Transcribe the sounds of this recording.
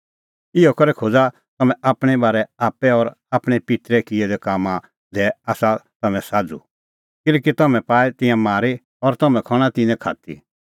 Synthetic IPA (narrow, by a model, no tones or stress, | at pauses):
ɪɔkɐɾɛkʰod͡za | t̪ɐmɛ̃ʔaːpɽ̃ɛbaːɾɛaːpɛɔɾ | aːpɽ̃ɛpɪt̪ɾɛkɪɛd̪ɛkaːmã | d̪ɛaːsat̪ɐmɛ̃saːd͡zṵ | kɪlɛːkit̪ɐmɛ̃paːɛt̪ɪ̃jãmaːɾe | ɔɾt̪ɐmɛ̃kʰɐɽ̃ãt̪ɪ̃nɛ̃kʰa̰ːt̪ḭ